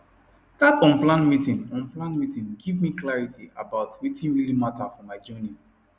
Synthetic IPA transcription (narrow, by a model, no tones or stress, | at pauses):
tatɔ̃nplãnmitĩnɔ̃nplãnmitĩnɡivmiklaɹitʰiabaʊtwitĩnɹilimatafɔmaɪd͡ʒɔni